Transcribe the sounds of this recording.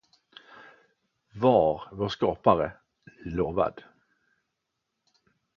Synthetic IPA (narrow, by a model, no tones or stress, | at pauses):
vaɾvoːʂkɑːpaɾə | loːva̰d̪